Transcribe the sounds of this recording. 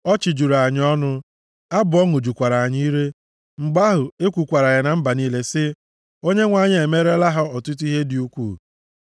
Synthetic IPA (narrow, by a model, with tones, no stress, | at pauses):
ɔ˦t͡ʃɪ˨d͡ʒu˨ɾa˨ɲɪ˦ɔ˦nʊ˦ | a˦bʊ˨ɔ˦ŋʊ˨d͡ʒu˨kʷa˨ɾa˨a˨ɲi˦i˦ɾe˦ | ŋ͡m̩˨ɡ͡ba˦ɦʊ˨e˦kʷu˨kʷa˨ɾa˨ɣɪ˨na˨m̩˦ba˨niː˦le˦sɪ˦ | o˦ɲe˦ŋʷa˨ɲɪ˦e˨me˦ɾe˦la˦ɦa˦ɔ˨tʊ˦t̬u˦i˦ɦe˦dɪ˨u˦kʷṵː˦˨